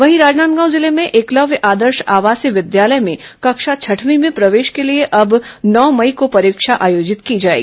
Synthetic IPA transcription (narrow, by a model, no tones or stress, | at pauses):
ʋɐɦiɾaːd͡ʒnaːt̪̚ɡãːw̃zɪlemẽʔeːklɐʋjʔaːd̪əɾʃaːʋaːsiʋɪd̪jaːləjmẽkɐkʃat͡ʃʰɐʈʰmimẽpɾɐʋeːʃkelieʔɐbnɔːmɐikopɐɾiːkʃaʔaːjoːd͡ʒɪt̪kid͡ʒaːḛɡii